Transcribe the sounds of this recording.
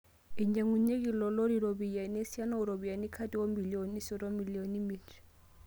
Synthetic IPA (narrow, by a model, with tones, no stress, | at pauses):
i˨ɲ˦d͡ʒa˨ŋu˨ɲe˦kʼi˨lɔ˨lo˦ɾi˦˨ɾo˨bi˨ja˨ne˦si˦a˦na˦ʊ˨ɾo˨bi˨a˨ni˦kʰa˦tʼi˦wo˦mbi˨lio˨ni˦sɔ˨ɾɔ˦mi˨li˨o˨ni˦mi˦t